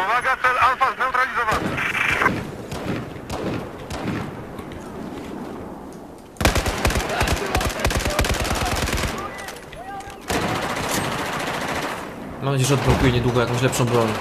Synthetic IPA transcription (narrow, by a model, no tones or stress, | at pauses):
vaɡat̪ɛalfast̪ɛ̃wt̪ɾalʲizɔvanɛ | mamnad͡ʑejɛʐɛɔd̪bɾɔ̃wkujɛɲɛd̪wuɡɔjakɔ̃w̃ɕ̬lɛpʂɔ̃w̃bɾɔɲ